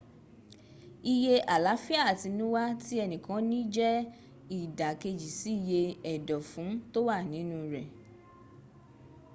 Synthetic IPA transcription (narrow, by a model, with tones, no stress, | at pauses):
i˧je˧ʔa˨la˨˦fi˦a˦˨a˨ti˧nũ˦wa˦ti˦ɛ˧nĩ˨kã˨˦nĩ˦d͡ʒɛ˦ | i˦˨da˨ke˧d͡ʒi˨si˨˦i˦˨je˧ɛ˨dɔ˨fũ˨˦to˦wa˦˨nĩ˨˦nũ˦ɾɛ˨